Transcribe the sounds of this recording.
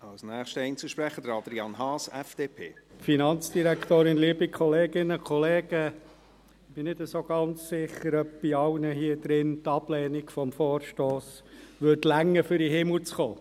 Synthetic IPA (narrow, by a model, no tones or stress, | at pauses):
ɑlsnæːχʃtəɛɪnt͡səʃpɾɛχədəɾɑd̪ɾiɑnɦɑːsɛ̰fd̥eːpʰḛːfinɑnt͡sd̥iɾækt̪oːɾɪnliəbikʰχɔleːɡ̥ɪnəkʰχɔleːɡ̥ə | ɪb̥ɪnɪdəsoːɡ̥ɑnt͡ssɪχəɾœp̚b̥iɑʊnəɦiəd̥ɾɪntɑblɛːniɡ̥fɔmfoːrʃtoːsʋʏdlæŋːəfʏɾiɦɪml̩t͡sχoː